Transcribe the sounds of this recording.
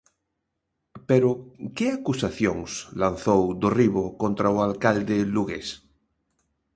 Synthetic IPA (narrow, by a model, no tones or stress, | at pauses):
peɾokeakusaθjoŋslan̟θowd̪oriβokont̪ɾaoalkald̪eluɣes